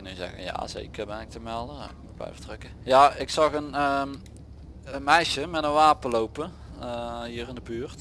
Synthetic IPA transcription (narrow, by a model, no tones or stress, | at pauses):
nyzɛ̰ɣə̰nja̰zḛːkərbɛnɪk̚təmɛlˠdək̚mut̚blɛ̰jvətrøkəjaɪksɑɣənə | əmɛjʃjəmɛtənʋaːpəlowpə | əɦiːrɪndəbyːrt